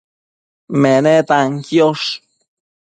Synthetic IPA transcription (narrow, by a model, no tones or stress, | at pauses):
menet̪aŋkjoʂ